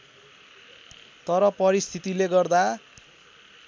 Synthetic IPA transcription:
t̪ʌɾʌpʌɾist̪ʰit̪ileɡʌrd̪a

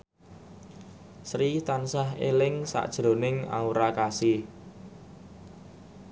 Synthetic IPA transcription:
sɾit̪ansaɦelɪŋsa̰ʔd̥ʒ̥ɾo̤nɪŋa̰uɾakasi

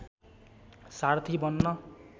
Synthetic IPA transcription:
sart̪ʰibʌnːʌ

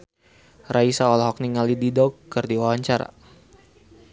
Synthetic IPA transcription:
raisaɔlaɦɔk̚niŋalididɔkːərdiwawaɲt͡ʃaɾa̰

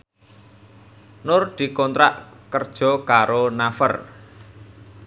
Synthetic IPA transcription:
nʊrd̪̥i̤kɔnt̪ɾa̰ʔkərd̥ʒ̥ɔ̤kaɾonafə̰r

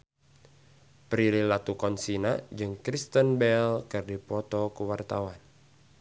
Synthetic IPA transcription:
pɾililat̪ukɔnsinad͡ʒɨŋkɾist̪ənbɛlkɨrdipɔt̪ɔkuwart̪awan

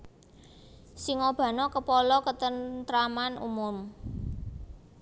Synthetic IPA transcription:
siŋɔb̥ä̤nɔkəpɔlɔkət̪ənt̪ɾamanṵmʊm

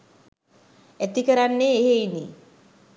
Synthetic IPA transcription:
æt̪ikəɾanːeːɦeini

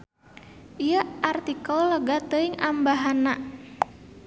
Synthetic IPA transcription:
ʔijaʔart̪ikɔlɔɡat̪əiŋambaɦana

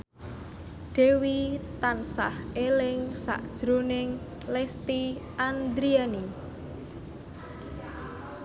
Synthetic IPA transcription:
ɖ̥e̤wit̪ansahelɪŋsa̰ʔd̥ʒ̥ɾonɪŋ | lɛst̪iʔand̪ɾiani

